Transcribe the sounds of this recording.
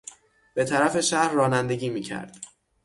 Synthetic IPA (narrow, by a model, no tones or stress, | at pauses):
b̥e̞t̪ʰæɾæfe̞ʃæɾːɒːnænd̪e̞ɟiːmiːcʰæ̰ɾd̪̥